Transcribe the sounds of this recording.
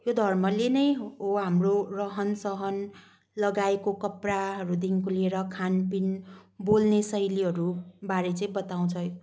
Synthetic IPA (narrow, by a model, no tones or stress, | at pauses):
jod̪ʱʌrmʌlenʌj̃oɦamrorʌɦʌnsʌɦʌn | lʌɡaekokʌpraɦʌɾud̪iŋkolieɾʌkʰanpinbolnesʌjliɦʌɾubaɾet͡sʌĩbʌt̪aw̃t͡sʰʌj